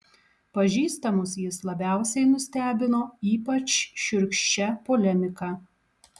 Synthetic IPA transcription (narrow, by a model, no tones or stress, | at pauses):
pɐʒʲiːst̪ɐmʊsjɪslˠɐbʲæˑʊsʲɛɪnʊsʲt̪ʲæːbʲɪnoːiːpɐt͡ʃʃʊɾʲkʃʲt͡ʃʲɛpoːlʲɛmʲɪkɑ